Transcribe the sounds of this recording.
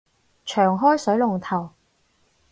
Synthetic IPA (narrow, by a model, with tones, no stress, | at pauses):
t͡ʃʰœː˨˩ŋɦɔː˥jsɵ˨˥ɥlʊ˨˩ŋt̪ʰɐ˨˩w